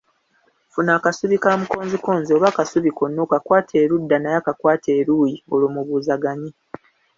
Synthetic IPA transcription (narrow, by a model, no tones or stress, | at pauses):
funaːkasuβikaːmuko̞ːnzikoːnzio̞βakasuβiko̞nːokakwaːtʰe̞ːɾudːanajakakwaːtʰe̞ːɾuːjiolumuβuːzaɡaɲi